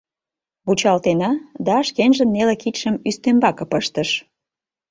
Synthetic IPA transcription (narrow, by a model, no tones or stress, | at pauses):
βut͡ɕɑlt̪enɑd̪ɑʃkenʒənːelĕkit̪ʃəmyst̪embɑkɤ̆pəʃt̪əʃ